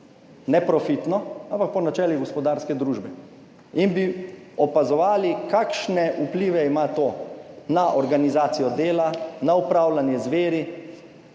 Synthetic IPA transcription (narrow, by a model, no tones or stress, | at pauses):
nɛpɾɔfit̪nɔãmpak̚pɔnat͡ʃɛːliɡɔspɔd̪aːɾskɛd̪ɾuːʒbɛ | inbi | ɔpazɔʋaːlikakʃnɛʔupliːʋɛimat̪oːnaʔɔɾɡanizaːt̪sijɔd̪eːlanaupɾaːwlanjɛzʋeːɾi